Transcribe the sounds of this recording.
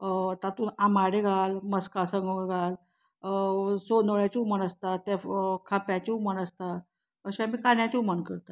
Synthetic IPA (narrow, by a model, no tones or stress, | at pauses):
t̪at̪uːnamaɽeɡʱalməskasəŋɡoɡʱal | sonəɭjat͡ɕiumənəst̪at̪ːakʰapjat͡ɕiumənəst̪a | əɕaamiːkanjãt͡ɕiumənkəɾt̪a